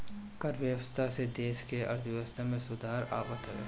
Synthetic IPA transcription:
kəɾʋjəwəst̪ʰased̪eːʃkeʔɐ̰ɾd̪ʰʱʋjəʋəst̪ʰamẽsʊd̪ʱaːɾaːbət̪ɦɐjo̰ː

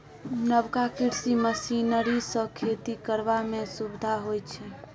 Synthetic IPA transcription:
nəbkakiɾsiməsinəɾisə̃kʰet̪ikəɾbamesubd̪ʱaɦojt͡ʃʰɛ

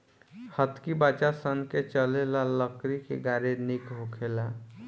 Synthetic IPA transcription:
hət̪kibat͡ʃasənket͡ʃəlelaləkɾikḛɡaɾenikɦokʰela

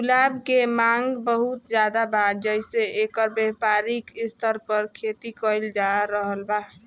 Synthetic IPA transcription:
ulabkemaŋɡbəɦut̪̚d͡ʒad̪abad̪d͡ʒəjseekəɾbɛpaɾikist̪ʰəɾpəɾkʰet̪ikəjld͡ʒaɾəɦəlba

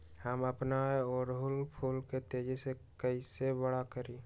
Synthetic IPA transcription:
həməpnaeɔːɾɦʊlpʰuːlket̪eːd͡ʒesekəisebəɽakəɾiː

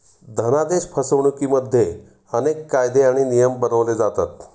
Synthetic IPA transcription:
d̪ʱənad̪eɕpʰəsəʋɳ̃ukiːməd̪ʱːje | ənekːajd̪eaɽ̃inijəmbəɾəʋled͡zat̪at̪

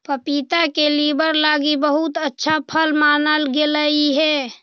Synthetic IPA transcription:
pəpit̪akelibəɾlaɡibəɦut̪ətːʃʰapʰəlmanəlɡeləiɦɛ

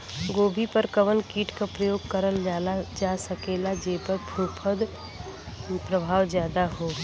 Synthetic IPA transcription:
ɡoːbʱipəɾkəʋənkiːʈkapɾəjoːɡkəɾəlalad͡ʒaːsəkeːlad͡ʒeːpəɾpʰũːpʰəd̪ | pɾəbʱaːʋzjaːd̪aɦoː

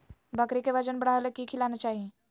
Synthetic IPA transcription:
bəkɾikeʋəd͡ʒənbəɽ̤aːelekikʰilanat͡ʃaːɦie

